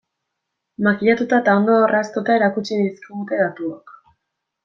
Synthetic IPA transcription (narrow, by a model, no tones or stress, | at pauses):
makiʎat̪ut̪aet̪ao̞nd̪oorast̪ut̪aeɾakut͡ʃiniskiɣut̪e̞ðat̪uok